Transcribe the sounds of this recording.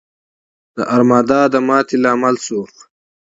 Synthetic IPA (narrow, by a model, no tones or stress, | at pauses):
d̪̥əʔɐɾmaːd̪aːd̪əmaːt̪ʰilaːmɐlsuːx